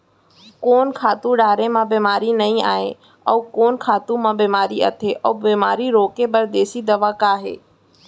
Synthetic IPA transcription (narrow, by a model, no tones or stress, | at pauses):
koːnkʰaːt̪ũɖaːɾẽmãbeːmaːɾinɐĩa̰ːɦḛ̃ | ɔːkoːnkʰaːt̪ũmãbiːmaːɾiɐ̰t̪ʰeʔɔːbiːmaːɾiɾoːkebɐɾd̪eːsid̪ɐʋakaːɦḛː